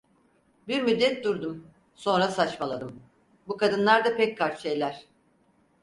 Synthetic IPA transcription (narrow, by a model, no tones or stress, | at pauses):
biɾmyd̪ːɛt̪̚d̪uɾd̪um | so̞nɾasat͡ʃmalˠad̪ɯm | bukad̪ɯnlˠaɾd̪apɛc̚ʲkʰaɾʃejlʲæɾ̥